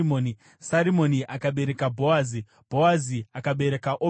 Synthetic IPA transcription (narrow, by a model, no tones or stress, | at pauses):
moːni | saɾimo̞niʔakaɓe̞ɾe̞kabʱowazi | b̥ʱo̞waziakaɓe̞ɾe̞kaʔo